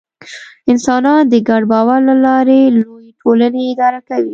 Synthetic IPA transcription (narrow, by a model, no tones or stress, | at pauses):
ɪnsɑnɑnd̪əɡaɖbɑwaɾlalɑɾelojeʈʰolaneɪd̪ɑɾakawi